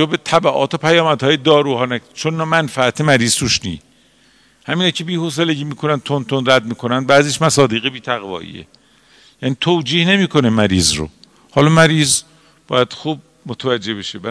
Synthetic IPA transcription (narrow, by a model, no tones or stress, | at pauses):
obet̪ʰæbæʔɒ̰ːt̪ʰopʰæjɒːmæd̪hɒːjed̪ɒːɾuːhɒːnæt͡ʃʰonːɒmænfææt̪ʰemæɾiːz̥t̪ʰuʃnḭː | hæmiːnɒcʰe̞biːhos̬eleɟiːmiːkʰo̞næn̚t̪ʰont̪ʰonræd̪̚miːkʰo̞nænd̪bæːziːʃmæsɒːd̪iːɣebiːt̪ʰæɣvɒ̰ːʔḭːḛ | jæniːt̪ʰoːd͡ʒiːhne̞miːkʰo̞nemæɾiːzɾo̰ | hɒːlɒːmæɾiːz | b̥ɒːjæd̪̥xuːb̚ | mot̪ʰævæd͡ʒːehbeʃebæ